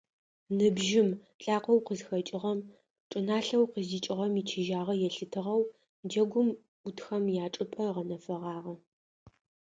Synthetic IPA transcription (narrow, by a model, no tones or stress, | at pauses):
nɨbʒɪm | ɬʼaːqʷɔwqəzxɐt͡ʃʼɪʁɐm | ʈ͡ʂʼɨnaːɬɐwqəzdiːt͡ʃʼɪʁɐmit͡ʃʰɪʒaːʁɐjɛɬɨtʰɨʁɐw | d͡ʒɐɡʷʊm | ʊtxɐmjaːʈ͡ʂʼɨpʼɐʁɐnɐfɐʁɑːʁɐ